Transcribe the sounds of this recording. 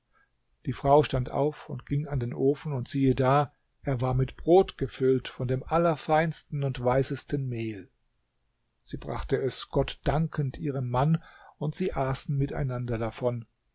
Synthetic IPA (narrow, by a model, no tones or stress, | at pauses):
d̥iːfʁ̥aʊʃtantʔa̰ʊfʊntɡ̥ɪŋandeːnʔoːfn̩ʊntz̥iːədaː | ʔeːɐvaːɐmɪtb̥ʁoːtɡ̥əfʏltfɔndeːmʔalɐfaɪnstn̩ʊntv̥aɪsəstən̩meːl | z̥iːbʁa̰χtəɛsɡ̥ɔtd̥aŋkʰəntʔiːʁ̞əmːanʊntz̥iːʔaːsn̩mɪta̰ɪnandɐdafɔn